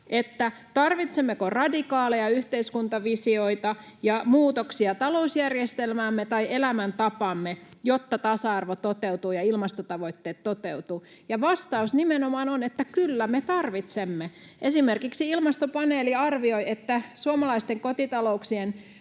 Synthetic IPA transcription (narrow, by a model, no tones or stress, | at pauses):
ʔet̪ːæ | t̪ɑrʋit̪semːekorɑdikɑːlejɑyht̪eiskunt̪ɑʋisioit̪ɑ | jɑmuːt̪oksiɑt̪ɑlousjærjest̪elmæːmːet̪ɑiʔelæmænt̪ɑpɑmːejot̪ːɑt̪ɑsɑɑrʋot̪ot̪eut̪uːjɑilmɑst̪ot̪ɑʋoit̪ːeːt̪tot̪eut̪uː | jɑʋɑst̪ɑusnimenomɑːnonet̪ːækylːæmet̪ɑrʋit̪semːe | ʔesimerkiksiilmɑst̪opɑneːliɑrʋioiet̪ːæsuomɑlɑist̪eŋkot̪it̪ɑlouksien